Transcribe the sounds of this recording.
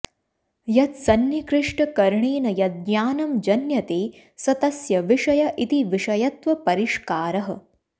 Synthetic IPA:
jɐt̪sɐnjikɾɪʂʈɐkɐɾɳeːnɐjɐt̪̚ɡjaːnɐmd͡ʒɐnjɐt̪eː | sɐt̪ɐsjɐʋiʂɐjɐʔit̪iʋiʂɐjɐt̪ʋɐpɐɾiʂkaːɾɐɦɐ

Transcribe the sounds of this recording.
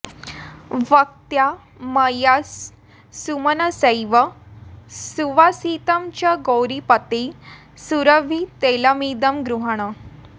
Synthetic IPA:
ʋək̚t̪ja | məjasː | umənəsəjʋə | suʋasit̪əmt͡ɕaɡowɾipət̪e | suɾəʋʱit̪eləmid̪əmɡɾuɦəɽ̃ə

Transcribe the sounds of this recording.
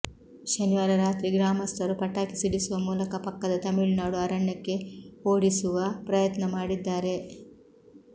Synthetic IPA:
ʃɐniʋaːɾɐɾaːt̪ɾiɡɾaːmɐst̪ʰɐɾupɐʈːaːkisiɽisuʋɐmuːlɐkɐpɐkːɐd̪ɐt̪ɐmiɭnaːɽuɐɾɐɳːɐkːe̞oːɽisuʋɐpɾɐjɐt̪nɐmaːɽid̪ːaːɾe̞

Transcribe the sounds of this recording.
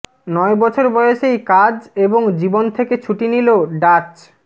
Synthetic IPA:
nɔebɔt͡ɕʰoɾbɔjoʃejkad͡ʑeboŋd͡ʑibont̪ʰeket͡ɕʰuʈiniloɖat͡ɕ

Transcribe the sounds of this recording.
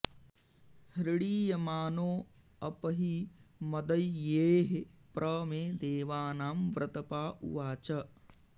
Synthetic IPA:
hɾɪɽiːjɐmaːnoː | ɐpɐɦimɐd̪ɐjjːeːɦepɾʔɐmẽːd̪eːʋaːnaːmʋɾʔɐt̪ɐpaːʔṵʋaːt͡ʃɐ

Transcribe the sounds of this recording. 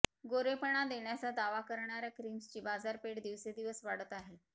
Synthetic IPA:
ɡoɾepəɳ̃ad̪eɳjat͡sad̪aʋakəɾɳaɾjakɾiːmst͡ɕiːbad͡zaɾpeɽd̪iʋsed̪iʋəsʋaɽət̪aɦe

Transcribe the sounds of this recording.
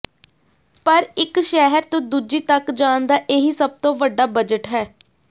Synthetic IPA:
pəɾɪkʃɛɦəɾt̪õd̪uːd͡ʒiːt̪əkd͡ʒaːnd̪aːʔeːɦiːsəb̚t̪õːʋəɖːaːbəd͡ʒəʈɦɛː

